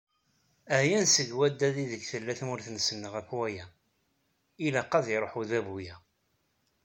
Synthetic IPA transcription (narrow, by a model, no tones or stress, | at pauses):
æjænsəɡwæd̪ːæðiðəɡθəlːæθmʊɾθənsənːəʁækwæjæ | ilæqːɑðiɾˤoħuðæbujæ